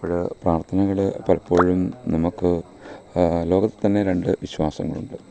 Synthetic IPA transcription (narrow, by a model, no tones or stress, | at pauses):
poːɻpraːrt̪ʰɐnɐɣɐɭepɐlɐpːo̞ːɻumnɐmukːɨ | lo̞ːɡɐt̪ːe̥t̪ːɐnːe̞ɾe̞ɳɖɨʋiɕwaːsɐ̰ŋːɐ̰ɭṵɳɖɨ